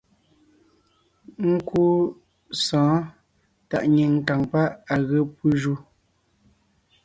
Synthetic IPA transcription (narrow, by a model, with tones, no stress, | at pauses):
ŋ̩˦ku˦ | sɔ̃ː˨˦ | ta̰˨ʔɲi˨ŋ̩˨ta˨ŋpa˦ʔa˨ɣə˦pu˦ʒu˦